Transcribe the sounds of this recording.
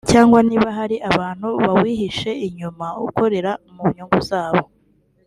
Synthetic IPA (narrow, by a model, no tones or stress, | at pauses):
caːŋɡwaniːβaɦaɾiʔaβaːn̥huβawiːɦiʃe̞iɲumauko̞ɾe̞ɾamuβɲuːŋɡuzaːβo̞